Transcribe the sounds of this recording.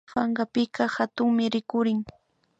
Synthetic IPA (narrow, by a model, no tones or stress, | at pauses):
faɴɢɑpɪkɑhat̪ʊŋmɪɾɪkʊɾɪŋ